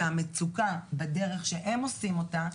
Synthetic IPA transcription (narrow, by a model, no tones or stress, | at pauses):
amet͡sukabede̞ʁe̞χʃeʔemo̞simo̞ta